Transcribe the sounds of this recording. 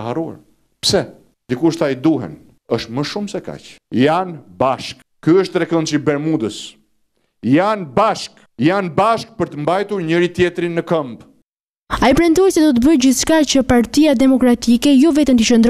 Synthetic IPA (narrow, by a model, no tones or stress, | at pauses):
ɦarua̰ɾ | psɛ | nd̪ikuʃt̪aid̪uɦɛ̰n | əʃt̪məʃumsɛka̰t͡ʃjanbaʃk | kyəʃt̪̚t̪ɾɛkɔnt͡ʃibɛɾmud̪əs | janbaʃk | janbaʃk̚pəɾt̪əmbajt̪uɾɲəɾit̪jɛt̪ɾinːəkəmb | aipɾɛnt̪ɔjsɛd̪ɔt̪̬əbəd͡ʑiθʃkat͡ɕəpaɾt̪ijad̪ɛmɔkɾat̪ikɛjɔvɛt̪ɛnt̪it͡ɕənd̪ɾ